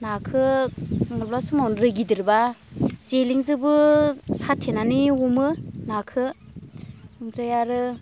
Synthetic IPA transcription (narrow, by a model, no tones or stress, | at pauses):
nakʰɯmɔlblasumawnɾɯɡidiɾbazeliŋzɯbɯsatʰenaniumɯnakʰɯ | ɾɯjaɾɯ